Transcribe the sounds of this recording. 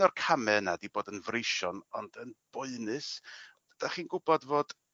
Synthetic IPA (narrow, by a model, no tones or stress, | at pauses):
ɔrkʰamɛənadiboːdənvrejʃɔnɔnd̥ənb̥ʊɨnɨs | əd̥aχiːnɡʊbɔdvoːd̥